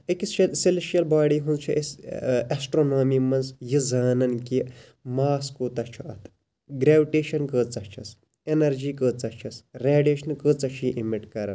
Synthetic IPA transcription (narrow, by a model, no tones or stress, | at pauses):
ikissileʃijɐlbaːɽiːɦũnt͡ʃʰiʔesɐsʈɾoːnaːmimɐnzjizaːnɐnki | maːskut̪ɐt͡ʃʰuɐt̪ʰ | ɡɾeːʋiʈeːʃɐnkɨːt͡sɐt͡ʃʰɐs | enɐɾd͡ʒiːkɨːt͡sɐt͡ʃʰɐsɾeːɖeːʃɐnkɨt͡sɐt͡ʃʰiʔimiʈkɐɾɐ̰n